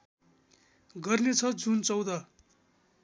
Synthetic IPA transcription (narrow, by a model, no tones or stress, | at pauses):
ɡʌrnet͡sʰʌd͡zunt͡sʌwd̪ʌ